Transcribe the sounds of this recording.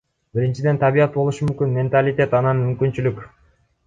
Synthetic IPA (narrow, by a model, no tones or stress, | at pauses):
biɾint͡ʃid̪e̞nt̪ʰaβijɑt̪̚bo̞lˠuʃumymkynmʲe̞nt̪alʲit̪ʲe̞t̪ɑnɑnmymkynt͡ʃylykʲ